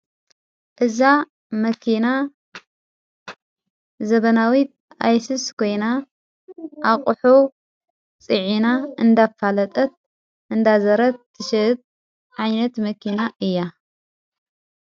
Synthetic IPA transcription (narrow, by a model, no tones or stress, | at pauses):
ʔɨza | mɐkʰina | zɐβɐnawit̪̚ | ajsɨskʰo̞jna | ʔaqʼħo | t͡sʼɨʕinaʔɨnd̪afalɐt̪ʼɐt̪̚ | ʔɨnd̪azɐɾɐt̪̚ʰːɨʃɨɨt̪̚ | ʕajnɐt̪mɐkʰinaʔɨjːa